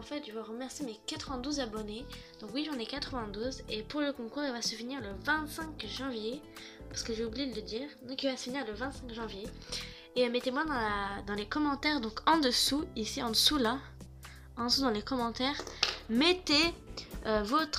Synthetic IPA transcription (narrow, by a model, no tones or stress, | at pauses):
ɑ̃fɛt̪ʒvaʁəmɛʁsjemekat̪χəvɛ̃d̪uzabɔned̪ɔ̃kwiʒɑ̃nɛkat̪χəvɛ̃d̪uzepuʁləkɔ̃kuːʁilvasəviniʁləvɛ̃t̪sɛ̃kʒɑ̃vje | paʁsə̥kəʒeublijed̪ələd̪iːʁd̪ɔ̃kilvasəfəniʁləvɛ̃t̪sɛ̃kʒɑ̃vje | eømɛt̪emwad̪ɑ̃lad̪ɑ̃lekɔmɑ̃t̪ɛʁd̪ɔ̃kɑ̃d̪əsuisiɑ̃d̪əsula | ɑ̃d̪sud̪ɑ̃lekɔmɑ̃t̪ɛʁmet̪eøvɔt̪χ